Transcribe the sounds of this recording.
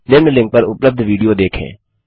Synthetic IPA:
lɪmnlɪ̃ŋk̚pɐɾʊpləb̚d̪ʱʋiːɖijod̪eːkʰḛ̃ː

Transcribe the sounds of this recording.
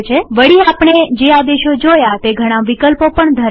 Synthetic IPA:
t͡ʃʰeʋəɽiapɳ̃ed͡ʒead̪eʃod͡ʒojat̪eɡʱəɽ̃aʋikəlpopəɳd̪ʱəɾ

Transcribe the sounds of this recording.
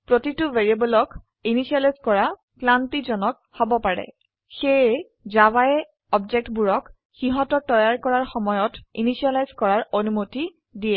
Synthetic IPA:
pɹotituveɹiabɔlɔk | inisialajzkɔɹa | klantizɔnɔk̚ | hɔbɔpaɹɛ̰ | xej | zawajɛ | ɔbzɛk̚tbuɹɔk | xiɦɔtɔɹtɔjaɹkɔɹaɹxɔmɔjɔtḭnisialajzkɔɹaɹonumoti | diɛ

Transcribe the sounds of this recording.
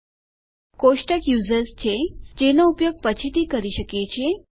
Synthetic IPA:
koʂʈəkjuːzəɾst͡ɕʰed͡ʑenoupjoɡ̚pət͡ɕʰit̪ikəɾiʃəket͡ɕʰie

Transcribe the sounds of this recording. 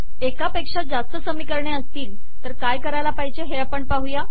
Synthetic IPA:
ekapekʂad͡zast̪əsəmiːkəɾɳjaəst̪iːl | t̪əɾkajkəɾajlapaɦjt͡ɕeɦeapəɳpaɦuja

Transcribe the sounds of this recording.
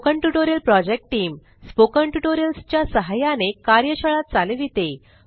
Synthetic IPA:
kəɳʈuʈoɾjəlpɾɔd͡ʑek̚ʈʈiːm | spokəɳʈuʈoɾjəlst͡ɕjasəɦajanekaɾjəɕəɭat̪̚t͡saleʋit̪e

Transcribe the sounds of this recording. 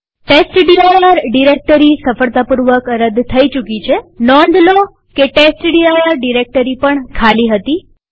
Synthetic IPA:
ʈesʈɖiajaɾɖiɾek̚ʈəɾisəfəɭt̪apuɾʋəkɾəd̪t̪ʰəit͡ʃukit͡ʃʰenɔ̃nd̪lo | keʈesʈɖiajaɾɖiɾek̚ʈəɾipəɳkʰaliɦət̪i

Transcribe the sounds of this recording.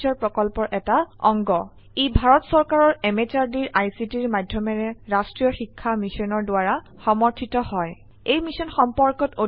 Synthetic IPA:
ɔɹpɹɔkɔlpɔɹʔɛtaɔŋɡɔ | ebʱaɹɔtsɔɹkaɹɔɹɛmet͡ʃaɹdiɹʔajsitiɹmadʱjɔmɛɹɛɹastɹijɔxikʰːamisɔnɔɹdʊaɹa | xɔmɔɹtʰitɔhɔj | ejmisɔnxɔmpɔɹkɔto

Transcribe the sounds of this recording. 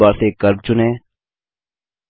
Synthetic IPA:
aːɾseːkəɾt͡ʃʊnẽː

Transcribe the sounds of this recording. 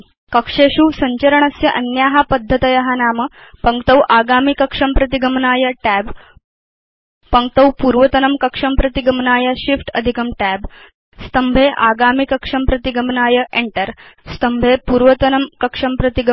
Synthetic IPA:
kəkʂeɕuːsɐɲt͡ɕɐɾəɳɐsjɐʔɐnjaːɦapəd̪ʱːət̪ɐjɐɦanaːmə | pəŋkt̪əwʔaːɡaːmikɐkʂɐmpɾɐt̪iɡəmnaːjɐʈæb | pəŋk̚t̪əwpuɾʋət̪ɐnɐmkɐkʂɐmpɾɐt̪iɡəmnaːjɐɕifʈəd̪ʱikɐmʈæb | st̪əmbʱeʔaɡaːmikɐkʂɐmpɾɐt̪iɡəmnaːjəʔeɳʈəɾst̪əmbʱepuːɾʋət̪ɐnəmkɐkʂɐmpɾɐt̪iɡ

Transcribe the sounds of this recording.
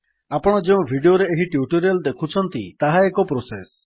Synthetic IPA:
apɔɽ̃ɔd͡ʒeũbʱiɖioɾeːɦiʈjuʈoɾiald̪ekʰut͡ʃʰɔnt̪ḭt̪aɦaekɔpɾoses

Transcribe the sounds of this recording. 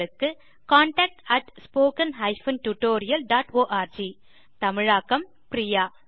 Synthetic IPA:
ɯkːɯ | kaːɳʈaːk̚ʈɐʈspoːkɐnɦɐɪfɐnʈuʈoːɾɪjɐlɖaːʈoːʔaːɾd͡ʒi | t̪ɐmɪɻaːkːɐm | pɾijaː

